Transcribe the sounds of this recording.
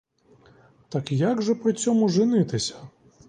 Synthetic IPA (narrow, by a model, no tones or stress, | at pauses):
t̪ɐkjaɡʐɐpɾɨt͡sʲɔmuʐɨnɨt̪ɨsʲɐ̥